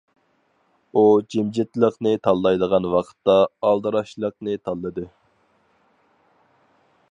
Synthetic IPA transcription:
ud͡ʒimd͡ʒɪt̪lˠəqnɨt̪ʰɑlˠːɑjd̪əʁɑnwɑqʰə̥t̪ːɑɑlˠd̪ɨɾɑʃlˠəqnɨt̪ʰɑlˠːɨd̪ɨ

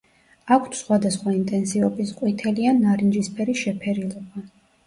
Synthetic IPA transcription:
akʷʰt̪ʰsχwad̪asχwaint̪ʼɛnsiɔbisqʼwit̪ʰɛlianːaɾind͡ʒispʰɛɾisʃɛpʰɛɾilˠɔba

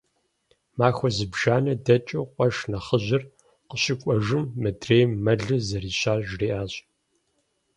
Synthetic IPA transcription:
maːxʷɔzɨbʒaːnɐdɐt͡ʃʼɐqʷʼɔʂnɐχəʑɪr | qəɕɪkʷʼɔʒɨmːɨdreːjmːɐɮɨzɐriːɕaːɮʒriːʔaːɕʼ

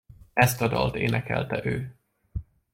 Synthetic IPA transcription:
ɛst̪ɒd̪ɒ̰lt̪eːnɛkɛ̰lt̪ɛʔøː

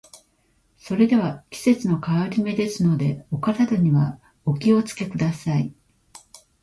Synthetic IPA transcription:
so̞ɾe̞d̪e̞βakʲi̥se̞t͡sɨno̞kaoɾʲime̞d̪e̞sɨno̞d̪e̞o̞kat̪ad̪oɲ̟iβa | o̞kʲio̞t͡sɨ̥ke̞kɯ̟d̪asai

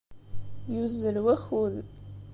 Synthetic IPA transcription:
juzːəlwæxuð

